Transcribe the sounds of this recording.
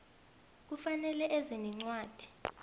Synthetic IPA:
k̬ufanɛlɛʔeziniŋ͡ǀwaːd̥ʱi̥

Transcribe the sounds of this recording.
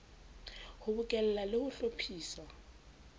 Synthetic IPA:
hʊbʊkʼɛlɛlalɪhʊɬopʰiːsa

